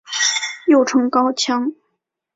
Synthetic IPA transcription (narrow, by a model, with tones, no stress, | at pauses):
jo˥˩ʊʈ͡ʂʰɤ˧˥ŋkɑ˥ʊt͡ɕʰjɑ˥ŋ